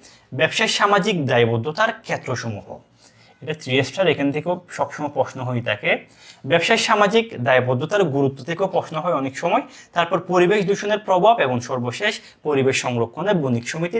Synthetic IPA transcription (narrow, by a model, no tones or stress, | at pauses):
bɛbʃajʃamad͡ʑikd̪ajbod̪ʱːot̪aɾkʰet̪ːɾoʃomuɦo̰ | eʈat̪ɾiesʈaɾekʰant̪ʰekeoʃɔbʃɔmɔjpɾɔʃnoɦojt̪ʰake | bɛbʃajʃamad͡ʑikd̪ajbod̪ʱːot̪aɾɡuɾut̪ːot̪ʰekeopɾɔʃnoɦɔeɔnekʃɔmɔejt̪aɾpɔɾpoɾibeʃd̪uʃoneɾpɾobʱabeboŋʃɔɾboʃeʃ | poɾibeʃːɔŋɾokʰːoneɾbunikʃomit̪i